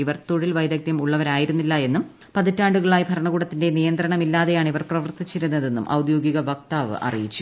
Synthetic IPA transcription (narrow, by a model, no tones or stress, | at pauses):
iʋɐrt̪oɻilʋɐjd̪ɐk̚t̪jɐmuɭːɐʋɐɾaːjiɾunːilːɐje̞nːum | pɐðitːaːɳɖuɣɐɭaːjbʱɐɾɐɳɐɣuːɽɐt̪ːinde̞nijɐnd̪ɾɐɳɐmilːaːðe̞jaːɳiʋɐrprɐʋɐrt̪it͡ɕːiɾunːɐðe̞nːumʔɐ̰wd̪jo̞ːɡiɣɐʋɐk̚t̪aːʋɨ̰ʔɐ̰rijit͡ɕːu̥